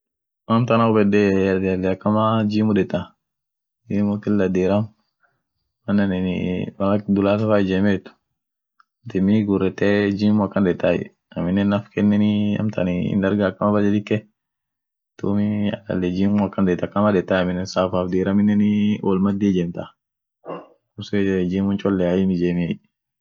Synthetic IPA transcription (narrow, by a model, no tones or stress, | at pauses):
mɐmt̪ɐnaʊbɛd̪ɛd̪ɐlːɛɐkːɐmad͡ʒiːmʊdɛt̪ːa | d͡ʒimʊt̪ːɪlːɐd̪eːɾɐm | mɐnːɐnɛn̰wɐlɐkd̪ʊlaːs̬ɐfaɪd͡ʒɛmɛt̪ʊ̥ | t̪ɪmiɡʊrɛt̪ːɛd͡ʒiːmʊɐkːɐnd̪ɛt̪ːajɛ̰ | ɐmɪnːɛnːɐfkɛnːɛnɪɐ̰mt̪ɐnɪɪ̰nd̪ɐɾɡakːɐmɐbɐd̪ɛd̪ɪkːɛ | t̪uːmɪɐ̰lɐ̰lːɛd͡ʒiːmʊɐkːɐnd̪ɛt̪ːɐkːɐmɐd̪ɛt̪ːaːjɐmɪnːɛnsaːfaːfd̪iːɾɐmɪnːɛnɪʔɔ̰lmɐd̪ːid͡ʒɛmt̪a | kʊsd͡ʒiːmʊnt͡ʃʼɔlːɛajɪmɪd͡ʒeːmi